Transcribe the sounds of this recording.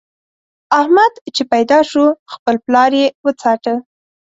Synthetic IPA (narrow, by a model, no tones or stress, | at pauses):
ahmad̪t͡ʃepajd̪ɑʃuxpəlplɑɾjewət͡sɑʈə